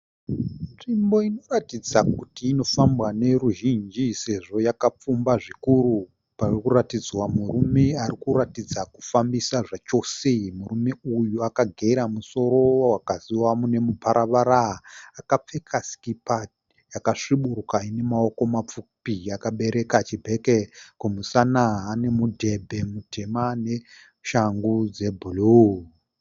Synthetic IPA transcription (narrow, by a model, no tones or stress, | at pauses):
nʐimbo̞ino̞ratid͡zakutiːno̞fambwane̞ɾuʒind͡ʒise̞ʐo̞jakap͡fumbaʐikuɾu | parurikuɾatid͡zwamurume̞arikuratid͡zaku̥fambisaʐat͡ʃo̞semuɾume̞ujuakaɡʱeɾamuso̞ɾo̞wakaziwamune̞mupʰaɾʔaʋaɾaakap͡fe̞kʰasi̥kipa | jakaʂiɓurukaine̞mao̞ko̞map͡fupijakaɓe̞ɾe̞kat͡ʃibʱe̞kekumusanaɦane̞mudʱe̞bʱe̞mutʰe̞mane̞ | ʃaŋɡud͡ze̞bʱulu